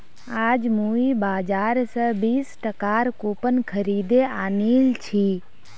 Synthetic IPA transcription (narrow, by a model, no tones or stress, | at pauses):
aːd͡ʒmuːibaːd͡ʒaːɾsəbiːsʈəkaːɾkopənkʰəɾiːd̪eaːniːlt͡ʃʰiː